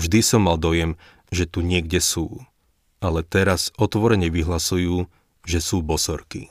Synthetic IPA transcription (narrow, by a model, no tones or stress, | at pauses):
vʒd̪isɔmːald̪ɔjɛm | ʒɛt̪uɲɪɛɡɟɛsuː | alɛt̪ɛɾazɔt̪ʋɔɾɛɲɛʋiɦlasujuː | ʒɛsuːbɔsɔɾkḭ